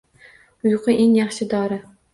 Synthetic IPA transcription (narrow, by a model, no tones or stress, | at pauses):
ʊjqɨʔeŋjɑχʃɪd̪ɒːɾɪ